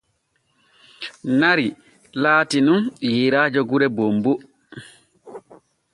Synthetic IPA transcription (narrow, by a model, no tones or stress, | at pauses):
naɾi | laːtinunjiɾaːd͡ʒɔɡuɾɛbombu